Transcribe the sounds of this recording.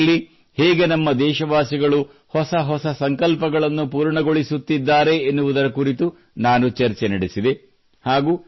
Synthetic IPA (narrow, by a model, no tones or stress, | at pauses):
lːi | hɛːɡenɐmːɐd̪ɛːʃɐʋaːsiɡɐɭu | hɔsɐɦɔsɐsɐŋkɐlpɐɡɐɭɐnːupuːɾɳɐɡo̞ɭisut̪ːid̪ːaːɾe̞ːnːuʋud̪ɐɾɐkuɾit̪u | naːnut͡ʃɐɾt͡ʃenɐɽesid̪e | haːɡuː